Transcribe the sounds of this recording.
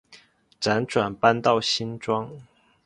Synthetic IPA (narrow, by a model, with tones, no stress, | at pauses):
ʈ͡ʂa˧˥nʈ͡ʂwa˨˩npa˥nt̪ɑ˥˩ʊɕi˥nʈ͡ʂwɑ˥ŋ